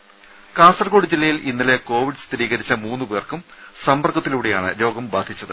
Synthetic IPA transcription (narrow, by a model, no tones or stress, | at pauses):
kaːnsɐrko̞ːɽid͡ʑilːɐjilinːɐle̞ko̞ːʋiɖɨst̪iɾiːɣɐɾit͡ɕːɐmuːnːuʋeːrkumsɐmbɐrɡɐt̪ːiluːɽe̞jaːɳɨ̰ɾo̞ːɡɐmbaːd̪ʱit͡ɕːɐðɨ